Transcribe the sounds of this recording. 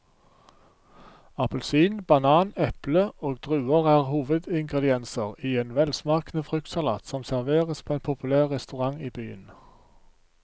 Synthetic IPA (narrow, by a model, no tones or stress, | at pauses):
ɑpəlsiːnbɑnɑːnɛpləoːɡd̪̥ʁʉːəʁæːʁhuːʋəd̪ɪŋɡʁəd̪ɪɛnsəʁiːeːnʋɛlsmɑːkənəfʁʏkt̪sɑlɑ̰ːt̪sɔmsæʁʋeːʁəspʰoːeːnpʰʊpʰʉlæːʁʁɛst̪ʉʁɑŋiːbyːə̰n